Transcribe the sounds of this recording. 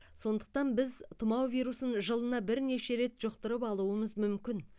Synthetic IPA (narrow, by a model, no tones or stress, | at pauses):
so̞nd̪əq̚t̪ɑnbɪzt̪ʰʊmɑwvʲijɾusənʒəlˠənɑbɪɾne̞ʃe̞ɾe̞t̪ʒ̥oqt̪əɾəpɑlˠuəməzmʏmkʲɪn